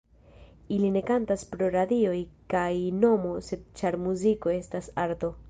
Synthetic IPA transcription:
iline̞kantaspɾo̞ɾad̪io̞jkajno̞mo̞se̞d̪̚t͡ʃaɾmuziko̞e̞stasaɾto̞

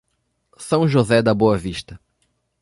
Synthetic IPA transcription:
sɐ̃w̃ʒozɛd̪ɐboɐviʃt̪ɐ

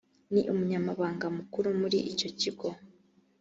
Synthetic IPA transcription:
niʔumuɲamaβaːŋɡamukuɾumuɾiʔico̞ciɡo̞

